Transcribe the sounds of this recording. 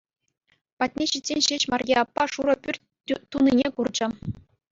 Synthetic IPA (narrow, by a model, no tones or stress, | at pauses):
pɑtʲnʲeɕitʲsʲenʲɕeɕmɑrʲjeɑpːɑʂuɾɤ̆pʲyrʲ | t̪ːunʲinʲekurd͡ʑɘ̆